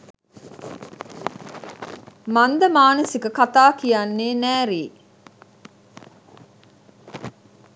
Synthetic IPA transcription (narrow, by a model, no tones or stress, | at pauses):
mand̪əmaːnəsikəkat̪aːkijanːeːnæːɾiː